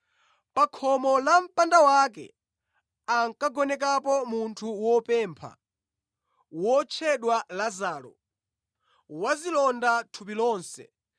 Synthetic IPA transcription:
pakʰɔmɔlam̩pandawakɛ̰ | aŋkaɡɔnɛk̬apɔmuntʰuwɔpɛːmpʰa̰ | wɔt͡ʃʰɛɗwalazaːlɔ̰ | wazilɔndatʰupilɔːnsɛ̰

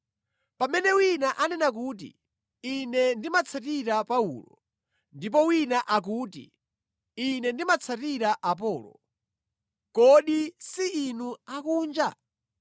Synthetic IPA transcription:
pamɛnɛwinaʔanɛnak̬uːt̬ḭ | inɛndimat͡sʰatiɾapaṵlɔ̰ | ndip̬ɔwinaʔak̬uːtḭ | inɛndimat͡sʰatiɾaʔap̬ɔːlɔ̰ | kɔɗisiinuakuːnd͡ʒa

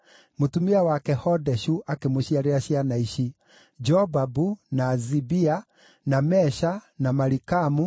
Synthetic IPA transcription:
motumiawakɛhɔdɛʃuʔakemoɕiaɾeaɕianaiʃi | d͡ʒɔbabunaːzibia | namɛʃanamaɾikamu

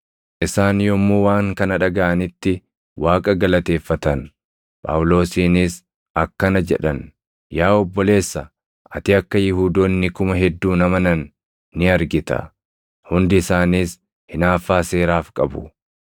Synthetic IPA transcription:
ʔɪsaːnjɔmːoːwaːŋkɐnɐᶑɐɡɐʔɐnɪt̪ːɪ | wʔaːkʼɐɡɐlɐt̪e̞ːfːɐt̪ɐn | pʼɐ̰wʊlo̞ːsiːniːs | ɐkːɐnɐd͡ʒɛᶑɐn | jaːɔbːɔle̞ːsːɐ | ʔɐt̪ɪɐkːɐjɪɦuːd̪oːnːɪkʊmɐɦɛd̪ːuːnɐmɐnɐnː | ɪɐɾɡɪt̪ɐ̰ | hʊnd̪ɪɪsaːniːs | hɪnaːfːaːse̞ːɾaːfkʼɐbʊ̰

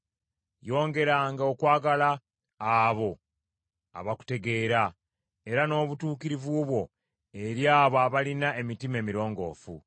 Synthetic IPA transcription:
jo̞ːŋɡe̞ɾaːŋɡaokwaːɡalaː | βo̞ | a̰βaku̥te̞ɡe̞ːɾa | e̞ɾano̞ːβutuːkiɾivuβwo̞ | e̞ɾjaːβaːβalinae̞mitime̞ːmiɾo̞ːŋɡo̞̰ːfṵ

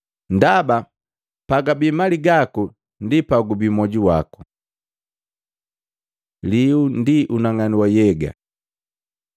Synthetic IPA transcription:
ndaba | paɡabimaliɡaku | ndipaɡubimɔɟuwaku̥ | liundiʔunaŋaniwɔjɛɡa̰

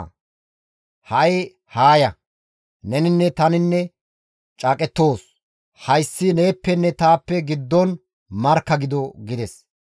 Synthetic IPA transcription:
hɐʔɪ | haːjɐ | nɛnɪnːɛt̪ɐnɪnːɛ | t͡ʃʼɐːkʼɛt̪ːo̞ːs | hɐjsːɪneːpːɛnːɛt̪aːpːɛɡɪd̪ːɔn | mɐɾkːɐɡɪd̪ɔɡɪd̪ɛs

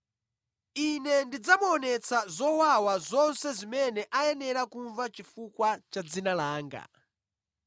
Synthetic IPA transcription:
inɛndid͡zamuɔnɛt͡sazɔwawazɔnsɛzimɛnɛʔajɛnɛɾakuɱvat͡ʃifukwat͡ʃad͡zinalaːŋɡa̰

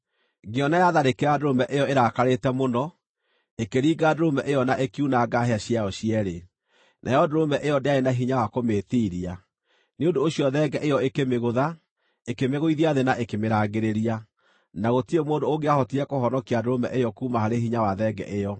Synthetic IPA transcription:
ɡeɔnajaðaɾekeɾadoɾomɛʔejɔeɾakaɾetɛmonɔ | ekeɾiːɡaːdoɾomɛʔejɔnaʔekiunaɡaɦeaɕiaɔɕiɛɾe | nʔa̰jɔdoɾomɛʔejɔdeaɾenaɦiɲawakomeːtiːɾia | neondoːɕiɔðɛɡɛʔejɔekemeɣoða | ekemeɣoiðiaðenaʔekemeɾaɣɡeɾeɾia | naɣotiemoːndoːɡeahɔtiɾɛkohɔnɔkiadoɾomɛ̰ʔejɔkuːmahaɾeɦiɲawaðɛɡɛ̰ʔejɔ

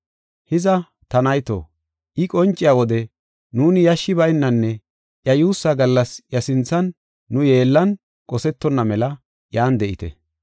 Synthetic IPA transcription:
hɪzɐ | t̪ɐnɐjt̪o̰ː | ʔɪkʼɔnt͡ʃʼːɪjaːwɔd̪ɛ | nuːnɪjɐʃːɪbɐjɪnːɐnːɛ | ʔjɐjuːsːɐɡɐlːɐsjɐsɪnt͡sːɐnː | ʊje̞ːlːɐn | kʼɔsɛt̪ːɔnːɐmɛlɐ | jaːnd̪ɛʔɪt̪ɛ̰

